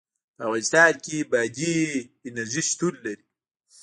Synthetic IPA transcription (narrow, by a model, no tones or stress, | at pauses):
pəavɣalɪst̪ɑːnkibad͡ʑiːnɐziʃt̪ulːɐɾi